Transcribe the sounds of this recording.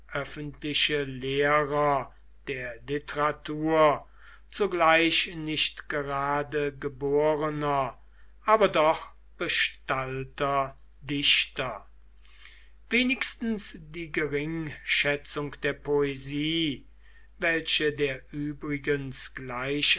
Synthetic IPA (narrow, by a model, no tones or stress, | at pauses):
ʔœfəntlɪʃəleːʁɐ | d̥eːɐlɪtəʁatuːɐ | t͡suɡlaɪɕnɪʃtɡ̥əʁaːdəɡəboːʁənɐ | ʔaːbɐdɔχ | b̥əʃtaltɐ | dɪʃtɐ | veːnɪkstn̩sd̥iːɡəʁɪŋʃɛt͡sʊŋkd̥eːɐpʰoeziː | vɛlʃədeːɐʔyːbʁɪɡənsɡ̥laɪɕ